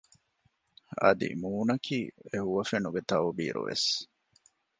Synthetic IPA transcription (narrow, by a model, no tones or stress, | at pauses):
ɐ̰d̪ḭmuːnɐkʰiːeɦuʋɐfenuɡet̪ɐʋobḭːɾṵʋḛs